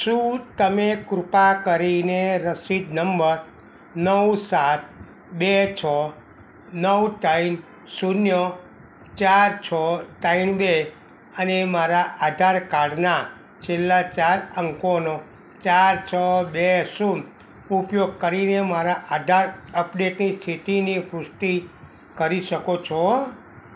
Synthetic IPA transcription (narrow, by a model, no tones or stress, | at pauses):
ʃũt̪əmekɾupakəɾineɾəsid̪nəmbəɾ | nəwsat̪̚ʰ | bet͡ʃʰɔ | nəwt̪ain | sunjə | t͡ʃaɾt͡ʃʰɔtainbe | ənemaɾaʔad̪ʱaɾkaɽna | t͡ʃʰelːat͡ʃaɾəŋkono | t͡ʃaɾt͡ʃʰəbesu | upjoɡ̚kəɾinemaɾaʔad̪ʱaɾəpɖeʈnist̪ʰit̪inipɾʊsʈi | kəɾiʃəkot͡ʃʰɔ